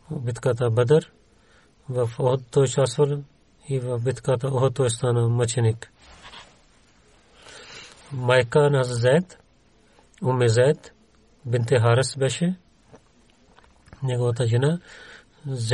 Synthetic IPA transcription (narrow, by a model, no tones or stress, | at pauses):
bit̪kat̪abɐd̪ɐɾ | ʋɐfoɦd̪t̪oːt͡ʃaːsɐl | iʋɐbit̪ʰkat̪aoɦ̪̚t̪oːjst̪aːnamɐt͡ʃʰinik | maːjkaːnazzeːt̪ | umezeːt̪ | bint̪eɦaːɾɐsbeʃe | neɡoːt̪aːd͡ʒina | z